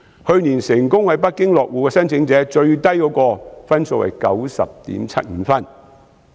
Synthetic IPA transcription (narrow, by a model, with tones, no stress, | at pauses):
hɵ˧ɥniː˨˩nsɪ˨˩ŋkʊ˥ŋhɐ˨jpɐ˥t̚kɪ˥ŋlɔː˨k̚wuː˨kɛː˧sɐ˥nt͡sʰɪ˨˥ŋt͡sɛː˨˥t͡ʃɵ˧ɥt̪ɐ˥jkɔː˨˥kɔː˧fɐ˥nsoː˨˧wɐ̰˨˩jkɐ˨˥wsɐ̰˨p̚t̪ḭː˨˥mt͡sʰɐ˥t̚ŋ̩ː˨˧˥fɐ˥n